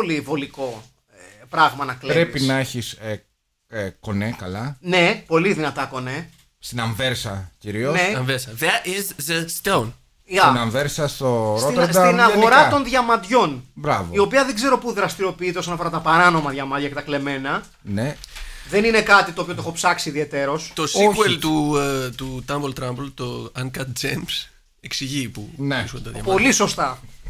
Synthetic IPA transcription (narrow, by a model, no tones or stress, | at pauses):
olivo̞liko̞ | pɾɐɣmɐnɐkleɾepipisnɐeçis | ko̞nekɐlɐne̞po̞liðinɐt̪ɐko̞ne | st̪inɐɱveɾsɐciɾioneɐɱveɾsɐðeizðest̪own | ɐnɐɱveɾsɐst̪osɾɾosinɐɣoɾɐt̪o̞nðʝɐmɐd̪ʝo̞nbɾɐvoio̞piɐðeɡze̞ɾo̞puðɾɐst̪iɾo̞piit̪eosonɐfo̞ɾɐt̪ɐpɐɾɐno̞mɐðʝɐmɐd̪ʝɐkce̞t̪ɐkle̞me̞nɐ | neðe̞nine̞kɐt̪it̪opiot̪oexo̞psɐksiðie̞t̪e̞ɾo̞st̪osikuelt̪ut̪ut̪ɐmbolt̪ɾɐmbolt̪oɐŋkɐt̪̚d͡ʒems | eksiʝipṵneɾiskonetɐðjɐ̰po̞liso̞st̪ɐ